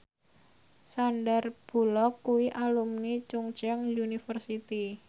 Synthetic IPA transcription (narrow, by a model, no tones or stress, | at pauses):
sanɖarb̥ṳlɔkːuwiʔalumnit͡ʃuŋt͡ʃɛŋjunifərsit̪i